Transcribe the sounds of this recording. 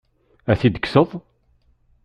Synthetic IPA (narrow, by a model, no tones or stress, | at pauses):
æθid̪əksəðˤ